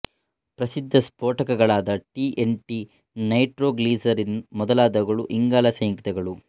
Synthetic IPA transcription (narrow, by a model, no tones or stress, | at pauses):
pɾɐsid̪ʱːɐspoːʈɐkɐɡɐɭaːd̪ɐʈiʔeɳʈi | nɐjʈɾoːɡliːsɐɾinmɔd̪ɐlaːd̪ɐɡɐɭuʔiŋɡaːlɐsɐjɐŋkit̪ɛɡɐɭu